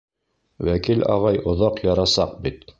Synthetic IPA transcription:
wækilɑ̰ʁɑjŏðɑqjɑɾɑsɑq̚bit̪

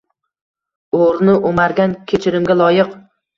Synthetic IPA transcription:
oɾnɪʔomaɾɡʲankʲʰet͡ʃʰɪɾɪmɡʲalˠɒjɪq

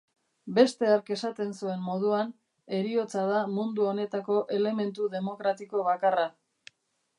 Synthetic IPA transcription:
be̞st̪e̞aɾke̞sat̪e̞nsue̞mmo̞ðuan | e̞ɾio̞t͡sað̞amund̪uo̞ne̞t̪ako̞ʔe̞le̞me̞nt̪uðe̞mo̞kɾat̪iko̞β̞akara

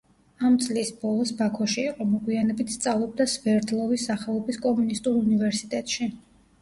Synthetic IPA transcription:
amt̪sʼlisbɔlˠɔsbakʰɔʃiːqʼɔmɔɡwianɛbit̪ʰst̪sʼavlˠɔb̚d̪asvɛɾd̪lˠɔvisːaχɛlˠɔbiskʼɔmunist̪ʼuɾunivɛɾsit̪ʼɛt̪ʼʃi

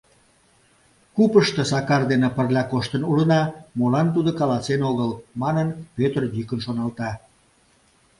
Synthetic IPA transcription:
kupəʃt̪ĕsɑkɑrd̪enepərlʲɑkoʃt̪ənulənɑmolɑnt̪ud̪okɑlɑsenoɣəlmɑnənpøt̪rjykənʃonɑlˠt̪ɑ

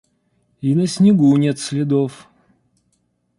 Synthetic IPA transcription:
inəsʲnʲɪɡunʲet̪sʲlʲɪd̪of

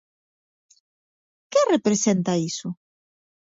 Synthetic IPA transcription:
kerepɾesent̪aisʊ

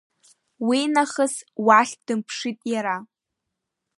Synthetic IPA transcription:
winaχəswaɬʲʰd̥ɨmpʰʂitʼjaɾa

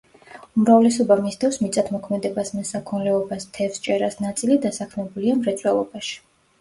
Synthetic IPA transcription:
umɾavlɛsɔbamist̪ʰɛfsmit̪sʼat̪ʰmɔkʰmɛd̪ɛbasmɛsakʰɔnlɛɔbast̪ʰɛfst͡ʃʼɛɾasnat̪sʼilid̪asakʰmɛbuliamɾɛt̪sʼwɛlˠɔbaʃi̥

